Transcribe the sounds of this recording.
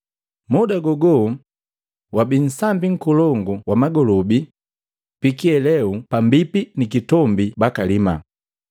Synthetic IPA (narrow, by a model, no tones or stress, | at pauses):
mɔdaɡɔɡɔ | wabin̩sambiŋ̩kɔlɔŋɡuwamaɡɔlɔbi | pikiɛlɛupambipinikitɔmbibakalima̰